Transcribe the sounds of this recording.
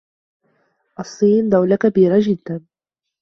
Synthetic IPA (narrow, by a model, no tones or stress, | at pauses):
ʔɑsˤːiːnd̪awlakabiːɾad͡ʒɪd̪ːan